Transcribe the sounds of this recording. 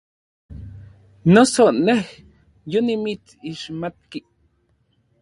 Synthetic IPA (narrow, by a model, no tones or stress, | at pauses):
nosoneh | jonimit͡s | iʃmat̪̚ki